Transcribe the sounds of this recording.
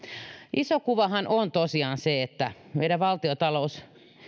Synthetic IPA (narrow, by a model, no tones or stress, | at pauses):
ʔisokuʋɑhɑnʔont̪osiɑːnseet̪ːæ | ʋḛiɾæʋʋɑlt̪iot̪ɑlous